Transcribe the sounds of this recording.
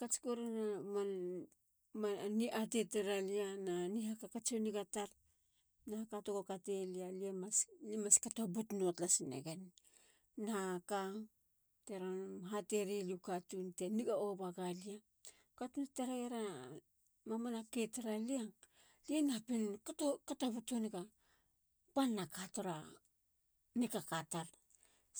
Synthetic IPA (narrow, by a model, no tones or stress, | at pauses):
kat͡ʃi̥koɾenaman | maniʔat̬eteɾaliananihakakat͡ʃoniɡataɾ | naakatoɡokatelialiamaslimaskatobutnotlasinḛɡen | naka | teɾanmɦateɾilikatunteniɡaoβaɡalia | katunateɾaɡeɾa | mamanaketeɾalia | lienapinkatokatoβutonika | panːakatoɾa | nikakataɾ